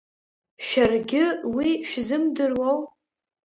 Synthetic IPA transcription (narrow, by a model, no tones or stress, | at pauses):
ʃarɡʲɪwiʃᶣzɨmdɨrwow